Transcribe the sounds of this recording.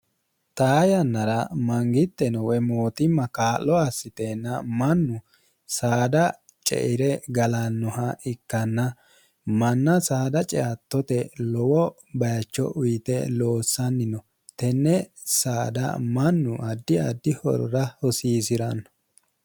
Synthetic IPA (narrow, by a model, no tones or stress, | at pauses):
t̪aːjɐnːɐɾɐmɐŋɡɪt̪ːɛnɔwɛmoːt̪ɪmːɐkaːlːɔɐsːɪt̪eːnːɐmɐnːʊ | saːd̪ɐ | t͡ʃʼɛ̰ʔɪɾɛɡɐlɐnːɔhɐɪkːɐnːɐ | mɐnːɐsaːd̪ɐt͡ʃʼɛɐt̪ːɔt̪ɛlɔwɔ | bɐjɐt͡ʃːɔ̰ʔʊjɪt̪ɛ̰lo̞ːsːɐnːɪnɔ | t̪ɛnːɛ | saːd̪ɐ̰mɐnːʊʔɐd̪ːɪɐd̪ːɪhɔ̰ɾɔɾɐhɔsiːsɪɾɐnːɔ